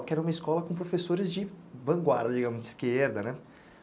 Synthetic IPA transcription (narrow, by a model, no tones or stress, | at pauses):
kɪɛɾɐũmɐiskɔlɐkõpɾofesoɾɪzd͡ʒɪvɐ̃ɡwa̰ɾd̪ɐd͡ʒiɡɐ̃mʊzd͡ʒɪskeɾd̪ɐnɛ